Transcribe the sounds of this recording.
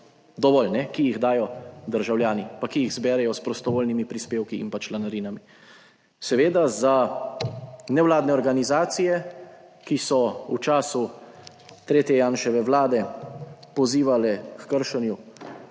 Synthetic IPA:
d̪ɔʋɔlnɛkijiɣd̪aːjɔd̪əɾʒawljaːnipakijiɣzbɛːɾɛjɔspɾɔst̪ɔʋoːlnimipɾispeːwkiḭmpat͡ʃlanaɾiːnami | sɛʋeːd̪aza | nɛwlaːd̪nɛɔɾɡanizaːt̪sijɛ | kisɔut͡ʃaːsu | t̪ɾeːt̪jɛjaːnʃɛʋɛʋlaːd̪ɛpɔziːʋalɛkkəɾʃɛnju

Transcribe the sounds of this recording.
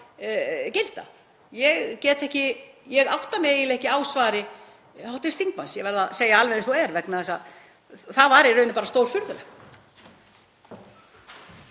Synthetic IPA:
cɪl̥t̪a̰ | jɛɣcɛːt̪ɛhcɪjɛɣawht̪amjɛɣilɛhcɪaːwsvaːɾɪ | hawht̪ɪst̪θiŋk̚mansjɛvɛɾðaseːjaalvɛnɪsθuɛɾvɛknaɛsa | θavaɾirœːɥnʏpaːɾast̪oːwɾ̥fʏɾðʏlɛx

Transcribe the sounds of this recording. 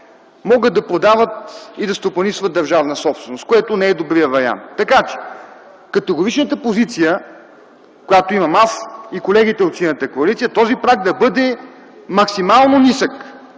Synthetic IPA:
mɔɡəd̪̚d̪ɐpod̪avət̪id̪ɐst̪opɐnisvət̪ːɐɾʒavnəsɔpst̪vɛnost̪koɛt̪onɛɛd̪obɾijəvɐɾia̰nt̪ːɐkat͡ʃɛ̥ | kɐt̪ɛɡoɾit͡ʃnət̪əpozit̪sijə | kojat̪oimɐmasikolɛɡit̪ɛot̪sinət̪əkoɐlit̪sijət̪ɔzipɾakd̪ɐbɤd̪ɛ | mɐksimalˠnonisək

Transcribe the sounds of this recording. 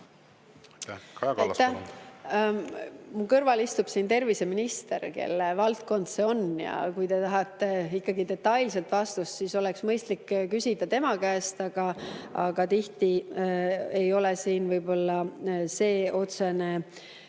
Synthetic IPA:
t̪ːæ | mukɤrvɑlist̪ub̥siːnt̪e̞rvise̞minist̪e̞ɾke̞̰lːevɑlt̪̚ko̞nd̪̥seo̞njɑ̰kujt̪e̞t̪ɑɦɑt̪ːˑe̞ikːɑɡid̪e̞t̪ːɑjlse̞lt̪vɑst̪ust̪siso̞leksmɤjst̪likːkysʲid̪̥ɑt̪e̞mɑkæːst̪ɑɡ̥ɑɑ̰ɡ̥ɑt̪iht̪i | e̞jo̞lesiːnvɤjbo̞lːɑse̞ːo̞t̪se̞ne̞

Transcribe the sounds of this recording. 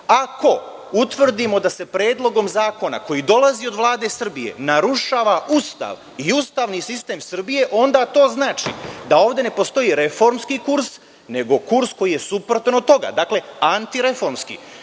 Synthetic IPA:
ako̞ | ut̪ʋr̩d̪imo̞d̪ase̞pɾeːd̪lˠo̞ɡo̞mzaːko̞na̰ko̞jid̪o̞lazio̞d̪ʋlˠaːd̪e̞sr̩bije̞̰naɾuʃaːʋaust̪a̰ʋ | iust̪aːʋnisist̪e̞ːmsr̩bije̞ʔo̞nd̪aːt̪o̞ːznaːt͡ʃḭd̪ao̞ːʋd̪ene̞po̞st̪o̞jiːɾe̞fo̞ɾmskikuɾs | ne̞ɡo̞kuɾsko̞jije̞supɾot̪anot̪o̞ɡa̰ːd̪aːkle̞ant̪iɾe̞fo̞ɾmskḭː

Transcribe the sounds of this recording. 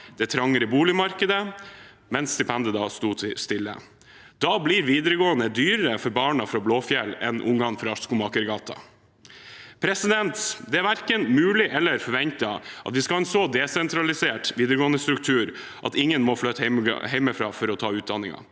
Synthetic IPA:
d̪̥ɛt̪ʰɾɑŋːəɾəbuːlɪmɑɾkəd̪ə | mɛnsːt̪ɪpʰɛnd̪əd̪ɑst̪uːst̪ɪlːə̰ | d̪̥ɑbliːɾʋiːd̪əɾəɡoːənəd̪yːɾəɾəfɔɾbɑːɳɑfɾɑbloːfjɛlːɛ̰nʔʊ̰ŋɡɑnfɾɑɑʂkʊmɑkəɾɡɑːt̪ʰɑ̰ | pʰɾɛsɪd̪ɛnt̪d̪ɛæɾʋæɾkənmʉːlɪʔɛlːəɾfɔɾʋɛnt̪ɑʔɑ̰t̪ʋɪskɑlɛnsoːd̪ɛsɛnt̪ʰɾɑlɪseːʈʋiːd̪əɾəɡoːnəst̪ɾʉkt̪ʰʉːɾ | ʔɑt̪ɪŋːənmɔflœt̪ɛ̰hɛɪməfɾɑ̰ːfɔɾɔt̪ʰɑːʉːt̪̚d̪ɑnːɪŋɑ̰

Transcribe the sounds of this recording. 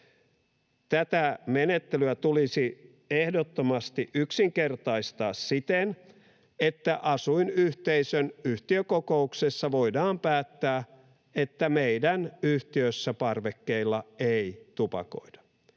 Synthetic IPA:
t̪æt̪æmenet̪ːelyæt̪ulisi | ehdot̪ːomɑst̪iʔyksiŋkert̪ɑist̪ɑːssit̪en | et̪ːæʔɑsuinyht̪eisønyht̪iøkokouksesːɑʋo̞idɑːmpæːt̪ːæː | et̪ːæmeidænyht̪iøsːæpɑrʋekːeilːɑeit̪upɑ̰ko̰idɑ̥

